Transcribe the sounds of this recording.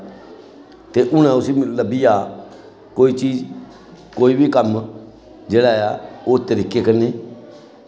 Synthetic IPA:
t̪eːʔʊñãːʊsimləbijaː | koːiːt͡ʃiːd͡ʒ | koːiːbʱiːkəm | d͡ʒeːɽaːjaoːt̪əɾɪkeːkəneː

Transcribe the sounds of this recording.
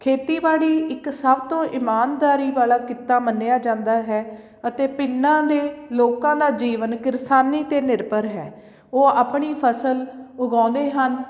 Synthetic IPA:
kʰeːt̪iːbaːɽiːɪksəbt̪õːʔɪmaːnd̪aːɾiːbaːlaːkɪt̪ːaːmənːeːaːd͡ʒãːnd̪aːɦɛː | ət̪eːpɪnːãːd̪eːloːkãːd̪aːd͡ʒiːʋənkɪɾsaːniːt̪eːnɪɾbəɾɦɛː | oːaːpɳiːpʰəsəlʊɡãːnd̪eːɦən

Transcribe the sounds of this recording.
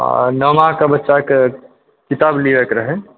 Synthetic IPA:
nəmakabətːʃake | kit̪abliʋekɾəɦe

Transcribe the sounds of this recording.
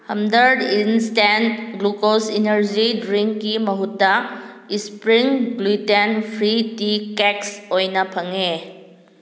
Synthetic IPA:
hɐmdɐɾdinstenɡlukosinɐɾd͡ʒidɾiŋːimɐɦutːɐ | ispɾiŋɡlitenpʰɾitikeksojnɐpʰɐŋe

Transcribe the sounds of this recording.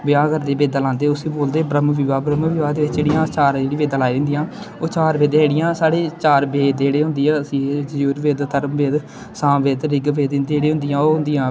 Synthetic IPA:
bɪjãːkəɾd̪eːbeːd̪ãːlãːnd̪eːʊsiːboːld̪eːbɾəmʋɪʋaːbɾəmʋɪʋaːd̪eːʋɪt͡ʃːd͡ʒeːɽijãːt͡ʃaːɾeːɽiːbeːd̪ãːlaːid̪ɪnd̪ijãːoːt͡ʃaːɾbeːd̪ẽːeːɽɪjãːsaːɽeːt͡ʃaːɾbeːd̪d͡ʒeːɽeːɦʊ̃nd̪iːãːəsĩːd͡ʒd͡ʒuːɾbeːd̪t̪ʰəɾəmbeːd̪ | sãːbeːd̪ɾɪɡbeːd̪ɪnd̪eːɽẽːɦʊ̃nd̪ɪjãːoːɦʊnd̪ijãː

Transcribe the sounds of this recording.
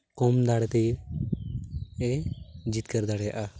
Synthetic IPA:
kɔmd̪aɽɛt̪ɛ | ɛd͡ʒit̪̚kəɾd̪aɽɛja̰ʔa

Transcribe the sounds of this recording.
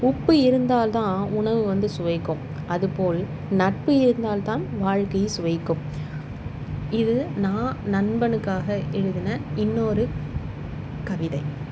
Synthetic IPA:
ʊpːɯɪɾɯnd̪aːlt̪ãːʊɳɐʋɯʋɐnd̪ɯsʊʋɐɪkːʊ̃m | ʔɐðɯpoːl | nɐʈ̚pɯɪɾɯnd̪aːlt̪ãːnʋaːɻkɐjsʊʋɐɪkːɯ̃m | ɪðɯnãːnɐɳbɐnɯkːaːɣɐʔɛɻɯðɪnɐɪnːoːɾɯ | kɐʋɪðɐɪ

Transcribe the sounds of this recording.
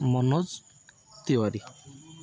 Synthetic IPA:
mɔnɔz | t̪ewaɾi

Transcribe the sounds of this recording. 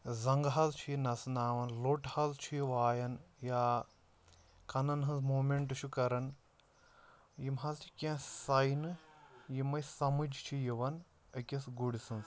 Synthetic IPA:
zɐŋɡɦɐzt͡ʃʰujinɐsnaːʋɐnloʈhɐzt͡ʃʰujiʋaːjɐnjaː | kɐnɐnɦɐnzmoːmeɳʈɨt͡ʃʰukɐɾɐn | jimɦɐzt͡ʃʰi̥kʲẽsɐjnɨjimɐjsɐmɨd͡ʒʱt͡ʃʰijiʋɐn | ɐkʲɐsɡuɽisɐnz

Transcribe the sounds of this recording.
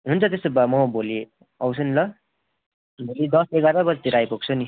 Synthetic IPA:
ɦunt͡sʰʌt̪esobʌmʌboli | ʌwt͡sʰʌnilʌ | bolid̪ʌseɡaɾʌbʌd͡zt̪iɾajpoɡ̚t͡sʰʌni

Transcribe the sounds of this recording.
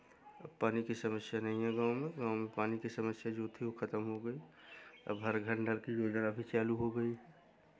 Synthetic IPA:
bpaːnikisəməsjanɐɦĩɦɛɡaːʊmẽɡãːʊmẽpaːnikisɐməsjad͡ʒoːt̪ʰiokʰɐt̪əmɦoɡəiɐ̰bɦəɾɡʱə̃ɳɖəɾkijoːd͡ʒənəbʱit͡ʃaːluɦoɡəiɦɛː

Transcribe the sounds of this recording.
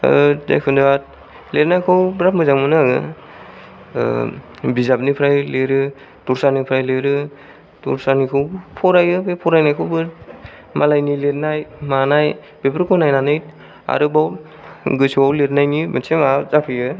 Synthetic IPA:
za̰jkʰɯndɯat̚ | letnajkʰɯwbɾap̚mɯzaŋmɯnɯaɡɯ̰ | bizap̚nipʰɾajleɾɯ | tuɾsanipʰɾajleɾɯ | tṵɾsanikʰɯwpʰɔɾajɯbepʰɔɾajnajkʰɯwbɯ | malajniletnajmanaj | b̥epʰɾkʰɔnajnanɯjt̚ | a̰ɾɯbaw | ɡɯsuwawletnajnibɯnsʰemazapʰɯjɯ

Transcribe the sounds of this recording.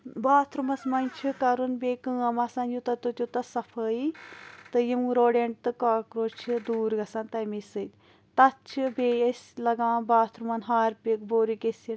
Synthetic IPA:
baːt̪ʰɾumɐsmɐnʲt͡ʃʰikɐɾunbeːkɨ̃ːɐmɐsɐnjut̪ɐt̪ot̪jut̪ɐsɐfʰəit̪ɨjimɾoːɽeːɳʈ̚t̪ɨkaːkɾoːt͡ʃʰid̪uːɾɡɐsɐnt̪ɐjmisɨt̪ʲ | t̪ɐt̪t͡ʃʰibeɐsʲlɐɡaːnbaːt̪ʰɾumɐnɦaːɾpikboːɾikesi

